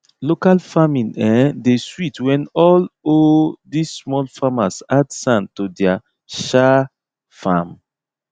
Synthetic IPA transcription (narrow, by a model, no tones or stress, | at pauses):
lokalfamĩnɛ̃ndeswitwɛ̃nɔlodisːmɔlfamasadsãntodɛa | ʃa | fam